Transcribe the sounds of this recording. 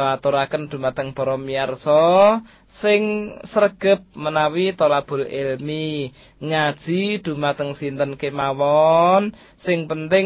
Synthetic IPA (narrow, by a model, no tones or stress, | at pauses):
at̪oɾakənd̪̥ṳmat̪əŋb̥ɔ̤ɾɔmiarsɔ | sɪŋsərɡ̥ə̤p̚mənawit̪olab̥ʊ̤lɪlmi | ŋad̥ʒ̥i̤d̪̥ṳmat̪əŋsint̪ənkemawɔn | sɪŋpənt̪ɪŋ